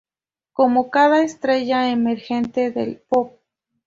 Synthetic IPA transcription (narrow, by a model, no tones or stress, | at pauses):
komokaðaest̪ɾeʝaemeɾxent̪eðḛlpop̚